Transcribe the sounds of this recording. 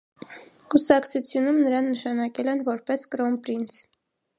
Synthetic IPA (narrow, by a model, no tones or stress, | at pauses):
kusɑkt͡sʰut͡sʰjunumnəɾɑnːəʃɑnɑkɛlɛnvɔɾpɛskɾɔmpɾinsʰ